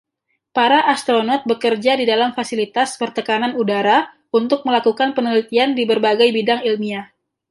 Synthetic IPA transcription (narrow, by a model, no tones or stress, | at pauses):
paɾaʔast̪ɾonɔt̪̚bəkərd͡ʒadidalamfasilit̪asbərt̪əkananudaɾa | unt̪ʊk̚məlakukanpənəlit̪iandibərbaɡajbidaŋilmia